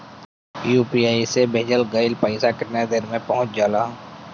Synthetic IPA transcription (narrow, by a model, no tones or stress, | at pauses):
juːpiːaːisebʱeːd͡ʒəlɡəɪlpəɪsakəɾned̪eːɾmẽpəɦʊ̃t͡ʃd͡ʒaːlaː